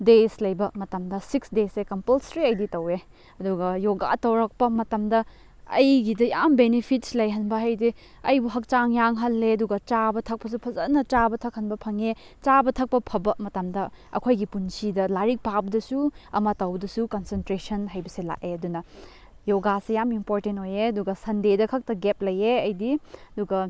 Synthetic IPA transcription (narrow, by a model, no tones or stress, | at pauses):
deslɐjbɐmɐtɐmdɐsiksdesekɐmpɐlsɾiɐjditɐwe | ɐduɡɐjoɡa̰tɐwɾɐk̚pɐmɐtɐmdɐ | ɐ̰jɡidɐjambenipʰitslɐjɦɐnbɐɦɐjdi | ɐjbuɦɐk̚t͡ʃaŋjaŋɦɐlːeɐduɡɐt͡ʃabɐtʰɐk̚pɐs̬upʰɐzɐnɐt͡ʃabɐtʰɐk̚hɐnbɐpʰɐŋe | t͡ʃabɐtʰɐk̚pɐpʰɐbɐmɐtɐmdɐɐ̰kʰojɡipunsidɐlaɾik̚pabɐdɐsuɐmatɐwdɐsukɐnsentɾesɐnɦɐjbɐsila̰keɐdunɐ | joɡasejamimpoɾtentojeɐduɡɐsɐndedɐkʰɐk̚tɐɡep̚lɐjeɐjdiɐduɡɐ